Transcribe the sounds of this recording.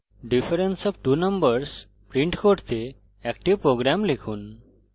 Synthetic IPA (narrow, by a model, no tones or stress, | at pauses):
ɖifəɾensɔʋʈunəmbəɾs | pɾĩɳʈkoʈt̪e | ɛk̚ʈiʋpɾoɡɾamlekʰuːn